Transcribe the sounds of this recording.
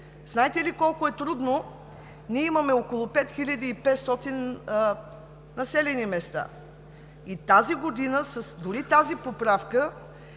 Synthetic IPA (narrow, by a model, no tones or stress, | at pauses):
znaɛt̪ɛlikɔlˠkʊɛt̪ɾud̪no | niɛimɐmɛokolˠopɛt̪xilʲɐd̪iːpɛt̪st̪ɔt̪in | nɐsɛlɛnimɛst̪a̰ | it̪aziɡod̪inəsəsd̪ʊɾit̪azipopɾafkə